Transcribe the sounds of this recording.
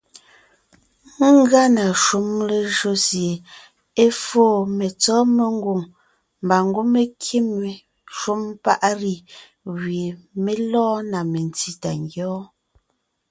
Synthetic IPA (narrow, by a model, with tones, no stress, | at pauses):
ŋ˦ɡa˦na˨ʃu˨˦mle˨ʒo˦sje˨ | e˦foː˦˨me˨t͡sɔː˦me˨ŋ˦ɡu˨ŋ | m˨ba˨ŋ˦ɡu˦me˦kʰi˦me˨ | ʃu˦mpa˦ʔɾi˦˨ | ɣɥe˨me˦lɔ̃ː˦na˨me˨n˨ti˦ta˨ŋɡjɔː˦